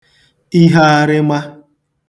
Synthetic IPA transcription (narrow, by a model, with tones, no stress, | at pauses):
i˦ɦa˦a˦ɾɪ˦ma˦